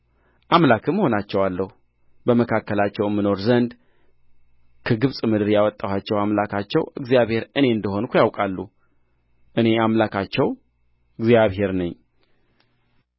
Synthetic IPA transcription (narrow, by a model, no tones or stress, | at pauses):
ʔamlakʰɨmːəho̞nat͡ʃːɛwalːəhu | bəməkʰakːəlat͡ʃːɛwɛmːɨno̞ɾzənd̪ | kʰəɡɨβsʼmɨd̪ɨɾjawɔt̪ʼːawat͡ʃːɛwamlakʰat͡ʃːɛwɨɡzijaβhe̞ɾɨne̞ɨnd̪əho̞nkʰʷujawkʼalːu | ʔɨne̞amlakʰat͡ʃːɛw | ɨɡzijaβɦe̞ɾnɨɲː